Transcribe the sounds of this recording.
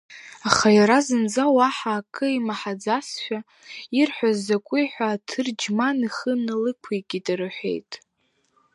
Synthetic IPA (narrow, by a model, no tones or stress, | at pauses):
aχajaɾazɨnd͡zawaħaːkʼɨimaħad͡zasʃʷᶣa | irħʷᶣazːakʷʼʊjħʷᶣaːtʰɨrd͡ʒmaniχənɨlɨkʷʰejɡʲidaɾɨħʷe̞̰jtʼ